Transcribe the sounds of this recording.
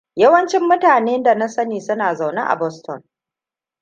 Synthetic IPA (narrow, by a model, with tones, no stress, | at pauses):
jɐ˦wɐ˦nt͡ʃɪ˦mːʊ˦taː˨neː˦nda˨na˦sɐ˦niː˨sʊ˦naː˨za˨wna̰˦ʔa̰˨bɔ˦stɔ̰˨n